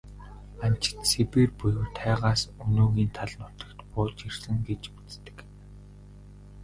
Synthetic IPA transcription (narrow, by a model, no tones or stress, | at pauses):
an̥t͡ɕɪ̥̆t̪sepeːrpujɘ̆wt̪ʰæːʁaːsɵnoːɣiːnt̪ʰaɮnʊt̪ə̆kt̪pʊːt͡ɕirsɘ̆ŋɡet͡ɕu̥t͡st̪ɘ̥̆k